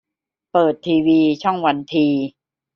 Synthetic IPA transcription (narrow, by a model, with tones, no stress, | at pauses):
pɤː˨˩t̪ʰːiː˧wiː˧t͡ɕʰɔ˥˩ŋwa˧nt̪ʰiː˧